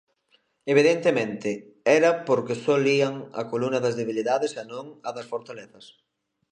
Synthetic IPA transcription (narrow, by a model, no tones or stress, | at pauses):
eβ̞iðent̪emẽnt̪ɪ | ɛɾɐpoɾkesɔliɐŋɐ̰kolunɐðɐzðeβiliðaðesanõŋɐðɐsfoɾt̪aleθɐs